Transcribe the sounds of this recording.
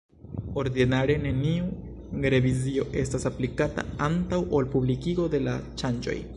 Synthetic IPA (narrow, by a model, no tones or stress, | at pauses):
o̞ɾdinaɾe̞ne̞niu | ɾe̞vizio̞ʔe̞stasaplikata̰antawʔolpublikiɡo̞de̞lat͡ʃand͡ʒo̞̰j